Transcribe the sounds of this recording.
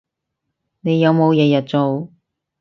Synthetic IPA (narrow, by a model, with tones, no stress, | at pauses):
ne˨˧jɐ˨˧wmo˨˧wjɛː˨˧jɐ˨t̚t͡so˨w